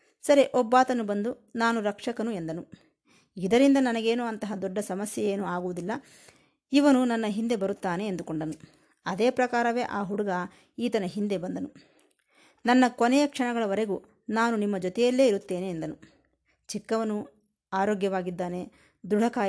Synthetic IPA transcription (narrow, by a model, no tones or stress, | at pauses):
sɐɾiʔɔbːaːt̪ɐnubɐnd̪u | naːnuɾɐkʂɐkɐnue̞nd̪ɐnu | id̪ɐɾind̪ɐnɐnɐɡe̞ːnuɐnt̪ɐɦɐd̪ɔɖːɐsɐmɐsjɐjeːnuaːɡuʋud̪ilːɐ | iʋɐnunɐnːɐɦind̪e̞bɐɾut̪ːaːne̞ːnd̪ukoɳɖɐnu | ɐd̪eːpɾɐkaːɾɐʋe̞ːʔaːɦuɽuɡɐ | iːt̪ɐnɐɦind̪e̞bɐnd̪ɐnu | nɐnːɐkɔnɛjɐkʂɐɳɐɡɐɭɐʋɐɾeɡu | naːnunimːɐd͡ʒɔt̪ɛjɐlːe̞ːiɾut̪ːe̞ːneːnd̪ɐnu | t͡ʃikːɐʋɐnu | aːɾoːɡjɐʋaːɡid̪ːaːne̞ | d̪uɽɐkaː